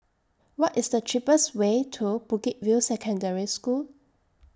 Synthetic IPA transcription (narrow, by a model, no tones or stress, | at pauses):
wɔtɪsdətʰɹipəswetʰub̥ukit̚vilsɛkʰə̃ndɛɹiskul